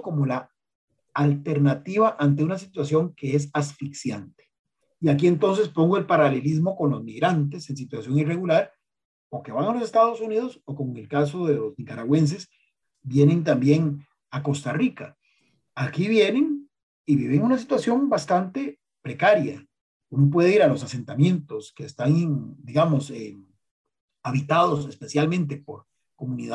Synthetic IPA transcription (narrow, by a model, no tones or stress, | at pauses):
komolaː | lt̪e̞ɾnat̪iβaʔant̪eunas̬it̪wasjo̞ŋke̞es̬asfiksjant̪e̥ | iak̬ie̞nt̪o̞ns̬e̞spo̞ŋɡoelpaɾale̞lizmo̞ko̞nlo̞zmiɣɾant̪̬ese̞ns̬it̪wasjo̞ŋire̞ɣulaɾ | oke̞βaŋalo̞se̞st̪að̞o̞sunið̞o̞so̞ko̞moeŋelkas̬o̞ðe̞lo̞znikaɾaɣwe̞ns̬e̞s | bje̞nent̪̬ambje̞ŋ | ako̞st̪arikaː | kiβje̞ne̞ŋ | iβiβe̞ŋunas̬it̪wasjo̞mbast̪ant̪e̞ | pɾe̞kaɾja̰ | unop̬we̞ðeiɾalo̞sase̞nt̪amje̞nt̪o̞skeːst̪aŋd̪iɣamo̞se | aβit̪að̞osse̞spe̞sjalmẽnt̪̬epo̞ɾ | ko̞muniða